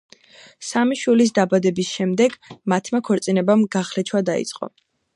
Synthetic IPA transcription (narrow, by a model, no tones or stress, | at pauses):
samiʃwilis̬d̪abad̪ɛbisʃɛmd̪ɛɡmat̪ʰmakʰɔɾt̪sʼinɛbamɡaχlɛt͡ʃʰwad̪aḭt̪sʼqʼɔ̰